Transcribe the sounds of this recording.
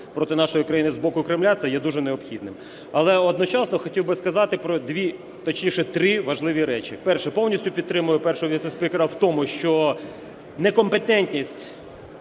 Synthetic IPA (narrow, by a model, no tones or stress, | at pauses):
pɾɔt̪ɪnɑʃɔjikɾɐjinɪzbɔkʊkɾɪmlʲasʲɐjɛd̪uʒɛneɔbxʲid̪nɪm | ɐlˠɛɔd̪nɔt͡ʃɑsnɔxɔtʲiwbɪskɐzɑt̪ɪpɾɔd̪ʲʋʲi | t̪ɐt͡ʃnʲijʃɛt̪ɾɪʋɐʒlˠɪʋʲiɾɛt͡ʃḭpɛrʃɛpɔwnʲisʲtʲʊpʲid̪̚t̪ɾɪmʊjʊpɛrʃʊɦɔʋʲisespikeɾɐwt̪ɔmʊʃt͡ʃɔ | nɛkɔmpet̪ɛnʲt̪ʲnʲisʲtʲ